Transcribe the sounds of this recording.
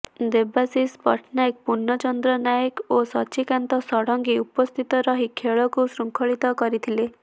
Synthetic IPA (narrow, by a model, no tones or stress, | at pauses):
d̪ebasispɔ̰ʈʰnak̚punːɔt͡ʃɔnd̪ɾɔnajkosɔt͡ʃikant̪ɔsɔɽɔŋɡiupɔst̪ʰit̪ɔɾɔɦikʰeɭɔkusɾuŋkʰɔɭit̪ɔkɔɾit̪ʰile